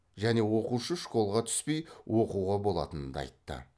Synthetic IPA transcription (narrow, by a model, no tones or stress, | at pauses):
ʒæne̞wo̞quʃəʃkʰo̞lˠʁɑt̪ʰʏ̥spe̞jwʔo̞quwʁɑbo̞lˠɑ̰t̪ənəd̪ɑ̰jt̪ːə̰